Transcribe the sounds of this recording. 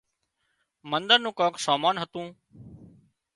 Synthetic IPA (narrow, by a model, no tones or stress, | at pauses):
mənd̪əɾnũːkoːksaːmaːnɦət̪ũː